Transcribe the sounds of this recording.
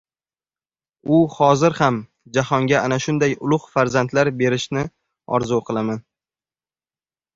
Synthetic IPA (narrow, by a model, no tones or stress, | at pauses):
ʊhɒzɪɾham | d͡ʒahɒŋɡʲaanaʃʊnd̪ajʊlˠʊχfaɾzant̪laɾbe̞ɾɪʃnɪ | ɒ̰ɾzʊwqʰɨlˠaman